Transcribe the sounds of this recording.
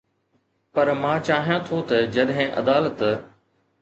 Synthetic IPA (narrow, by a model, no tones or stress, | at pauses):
pɐɾmãːt͡ɕaːɦijãt̪ʰot̪ɐd͡ʑɐɗɦɪ̃ʔɐ̰d̪aːlət̪